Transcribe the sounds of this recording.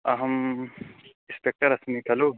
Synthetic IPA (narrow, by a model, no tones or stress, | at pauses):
aɦɐm | ĩspek̚ʈɐɾɐsmikʰɐlo